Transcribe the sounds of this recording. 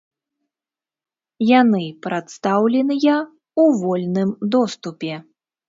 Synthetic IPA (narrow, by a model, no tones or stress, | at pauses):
janɨpɾat̪st̪awlʲɛnɨjɐ | uvɔlʲnɨmd̪ɔst̪upʲɛ